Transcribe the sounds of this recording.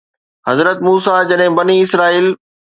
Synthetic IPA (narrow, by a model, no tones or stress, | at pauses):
hɐzɾət̪muːsad͡ʑɐɗɦɪ̃bɐniɪsɾaːiːl